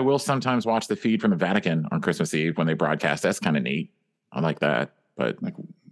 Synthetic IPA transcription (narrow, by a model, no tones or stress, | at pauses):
ɪwɪlˠsʌ̃mtʰãɪ̃mzwɑt͡ʃðɨfid̥fɹʌ̃mɨvæɾɨkɨ̃nə̰̃nkʰɹ̥ɪsmɨsiwə̃nðeɪbɹɔ̰d̚kʰæ̰st̪̚ðætskʰãɪ̃ndɨnḭt̚ | ʔaɪlaɪk̚ðæ̰t̚ | b̥ʌ̰t̚ak